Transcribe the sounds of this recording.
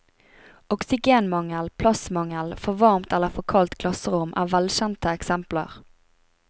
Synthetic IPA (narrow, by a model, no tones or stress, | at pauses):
ɔksɪɡeːnmɑŋəlpʰlɑsmɑŋəlfɔʋɑʁmt̪ɛlːəfɔʁkʰɑlt̪kʰlɑsəʁʊmʔæ̰ːʋɛlɕɛnt̪əɛksɛmplə̰ʁ